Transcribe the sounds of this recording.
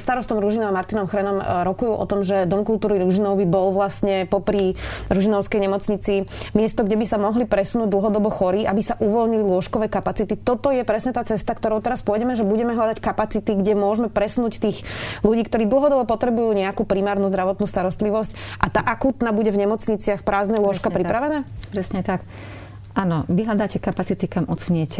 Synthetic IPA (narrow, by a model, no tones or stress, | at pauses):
st̪aɾɔst̪ɔmɾuʒinɔʋamaɾt̪inɔmxɾɛnɔmɾɔkujuʔɔ̰t̪ɔmʒɛd̪ɔmkult̪uːɾiɾuʒinɔʊbibɔlʋlastɲɛpɔpɾiɾuʒinɔʊskɛjɲɛmɔt͡sɲit͡simɪɛst̪ɔɡɟɛbisamɔɦlipɾɛsunuːɟ̚d̪l̩ˠɦɔd̪ɔbɔxɔɾiːʔabisaʔuʋɔlɲililʊɔʃkɔʋɛːkapat͡sit̪it̪ɔt̪ɔjɛpɾɛsɲɛt̪aːt͡sɛst̪akt̪ɔɾɔʊt̪ɛɾaspɔjɟɛmɛʒɛbuɟɛmɛɦlad̪ackapat͡sit̪iɡɟɛmʊɔʒmɛpɾɛsunuːct̪iːxluɟiːkt̪ɔɾiːd̪l̩ˠɦɔd̪ɔbɔpɔt̪ɾɛbujuːɲɛakupɾimaːɾnuːzd̪ɾaʋɔt̪nuːst̪aɾɔst̪liʋɔscʔat̪aːʔakuːt̪naːbuɟɛvɲɛmɔt͡sɲit͡sɪaxpɾaːznɛlʊɔʃkapɾipɾaʋɛnaːpɾɛsɲɛt̪ak | ʔanɔʋiɦʎad̪aːcɛkapat͡sit̪ikamɔt͡suɲɪɛcɛ